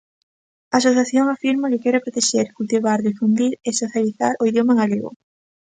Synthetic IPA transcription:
aːs̬oθjaθjoŋafiɾmakɪkɛɾapɾot̪eʃeɾkult̪iβaɾðifund̪iɾesoθjaliθaɾʔoiðjomaeŋaliɣo̰

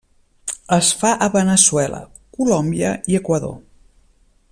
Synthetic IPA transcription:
əsfaʔəβənəswɛlə̰ | kulɔmbiəiəkwəðo̰

